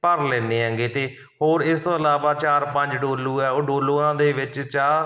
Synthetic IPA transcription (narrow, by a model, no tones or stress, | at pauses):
pəɾlɛːneːɦə̃ːŋɡeːt̪eː | hoːɾɪst̪oːəlaːʋaːt͡ʃaːɾpəɲd͡ʒɖoːlːuːɛːoːɖoːlõːãːd̪eːʋɪt͡ʃt͡ʃaː